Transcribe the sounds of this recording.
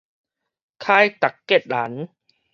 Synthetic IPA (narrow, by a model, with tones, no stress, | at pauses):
kʰaː˧˩jt̪a˨˩kːe˨˩t̪̚laː˩˦n